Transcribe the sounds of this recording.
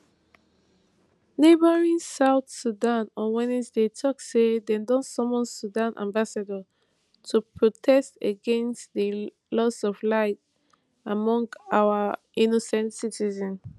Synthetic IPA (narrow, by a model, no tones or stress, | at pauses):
nebəɹĩnsaʊθsudãnɔwɛnisdetʰɔksedẽndɔ̃nsɔ̃mɔ̃nsudãnʔã̰mbasadə | tʰupʰɹotʰɛstəɡɛ̃nstðə | lɔsɔvlaɪt | amɔ̃ŋɡawə | inosɛ̃ntsitizɛ̃n